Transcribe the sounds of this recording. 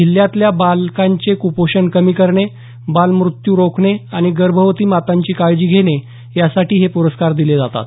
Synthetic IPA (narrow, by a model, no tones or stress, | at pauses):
iljat̪ljabalkaɲt͡sekupoɕənkəmiːkəɾɳe | balmɾut̪juɾokʰɳeaɽ̃iɡəɾbʱəʋt̪iːmat̪aɲt͡ɕiːkaɭd͡ʑiːɡʱeɽ̃e | jasaʈiːɦepuɾəskaɾd̪iled͡zat̪a̰t̪